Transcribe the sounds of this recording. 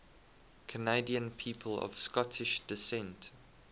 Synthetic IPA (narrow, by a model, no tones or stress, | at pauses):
kʰəneɪdiə̃npʰiːpʰəlɔ̰v̥skɔtʰɪʃd̥ɪsɛ̃nt